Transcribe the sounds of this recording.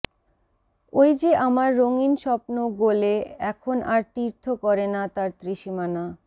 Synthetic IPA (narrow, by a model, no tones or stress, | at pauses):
ojd͡ʑeʔamaɾːoŋinʃɔpnoɡoleɛkʰonaɾt̪iɾt̪ʰokɔɾenat̪aɾt̪ɾiʃimana